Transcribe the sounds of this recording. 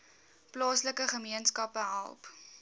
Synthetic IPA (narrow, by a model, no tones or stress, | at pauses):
plɑːsləkəχəmiənskɐpəɦɐ̰lˠp